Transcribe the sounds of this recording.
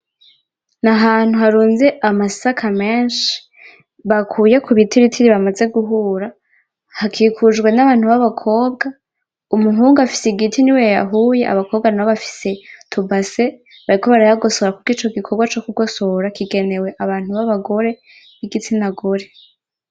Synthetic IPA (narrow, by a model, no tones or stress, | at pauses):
naɦaːn̥huhaɾuːnzeʔamasakʰame̞ːnʃi̥ | βakʰuːjekʰuβitʰiɾitʰiɾiβamaze̞ɡuɦuːɾa | hakʰikʰud͡ʒɡwe̞naβaːn̥huβaβakʰo̞ːb̚ɡa | umuɦuːŋɡuafi̥seɡitʰiniweja̰ɦuːje̞ʔa̰βakʰoːbɡanaβoβafi̥se̞tʰubase̞ | βaɾikʰo̞βaɾajaɡo̞so̞ɾakuɡiːt͡ʃo̞ɡikʰo̞bɡwat͡ʃo̞kuɡo̞so̞ɾakiɡe̞ne̞we̞ʔaβaːn̥uβaβaɡo̞ɾe̞ | iɡitʰinaɡo̞ɾe̞